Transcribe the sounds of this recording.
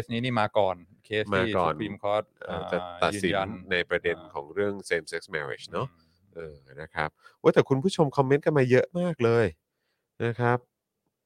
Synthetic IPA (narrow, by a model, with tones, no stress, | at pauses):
e˦˥sniː˦˥niː˥˩maː˧kɔː˨˩nkʰeː˦˥smaː˧˥˩kɔ̰ː˨˩ni˧mkʰɔː˦˥t̪̚ʔaː˧˩t͡ɕa˨˩a˨˩t̪ːsi˨˦˧nːa˧jpɾa˧de˧nkʰɔː˩˦ŋɾɯ˥˩əŋseː˧mse˦˥k̚smɛ̰˧ɾḛ˨˩t͡ɕnɔ˦˥ | ʔɤː˨˧˩na˦˥kʰa̰˦˥p̚oː˦˥jt̪ɛː˨˩kʰu˧npʰuː˥˩t͡ɕʰo˧mkʰɔ˧mːe˦˥nkʰa˧nmaː˧jɤ˦˥ʔmaː˥˩k̚lɤː˧j | na˦˥kʰɾa˦˥p̚